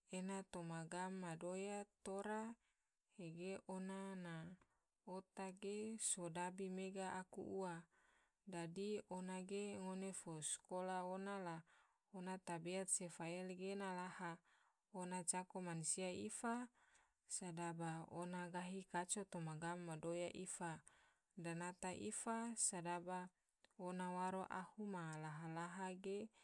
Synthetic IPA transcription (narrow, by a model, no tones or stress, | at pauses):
enat̪omaɡamːadojat̪oɾa | heɡeʔonana | ot̪aɡesodabimeɡaʔakṵʔua | dadionaɡeŋonefoskolaonala | onat̪abiat̪̚sefaɛlɡenalaha | onat͡ʃakomanusiaifa | sadabaonaɡaɦikat͡ʃot̪omaɡamaːadojaʔifa | danat̪aʔḭfasadaba | onawaɾoʔahumalaɦalaɦaɡe